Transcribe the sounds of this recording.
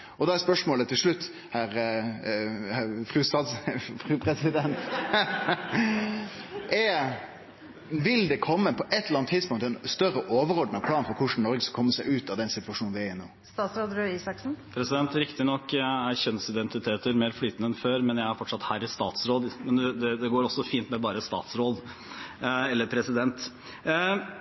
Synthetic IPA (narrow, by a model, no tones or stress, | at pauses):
ɔd̪ɑæɾspœʂmoːlət̪ʰɪlʂɭʉt̪ː | hæːɾ | hfɾʉsɑsfɾʉːpʰɾɛsɪd̪ɛnt̪ | ʔɛ | ʋɪld̪ɛkʰɔmːəpʰɔʔɛt̪ːləɾɑnt̪ʰːɪd̪spʊŋt̪ɛnst̪œrəʔoːʋəɾɔɖn̩ɑʋpʰlɑːnfɔɾkʰʊʂn̩nɔɾɡəskɑ̥kʰɔmːəsæɪʉːt̪ɑʋd̪ɛnsɪt̪ʋɑʂuːnʋɪæɾɪno̰ːst̪ɑːsɾoːd̪ɾʉisɑksn̩pʰɾɛsɪd̪ɛnt̪ɾɪkt̪ɪnɔkːæɾçɛnsɪd̪ɛnt̪ɪt̪ʰeːt̪əɾmeːɾflyːt̪ənəɛnføːɾmɛnjæɪæɾfɔʈʂɑt̪hæːɾɪst̪ɑ̰ːt̪sɾoːd̪mɛnd̪ɛd̪ɛd̪ɛɡoːɾɔsɔfiːnt̪mɛbɑːɾəst̪ɑ̰ːt̪sɾoːd̪ | ɛlːəɾpʰɾɛsɪd̪ɛnt̪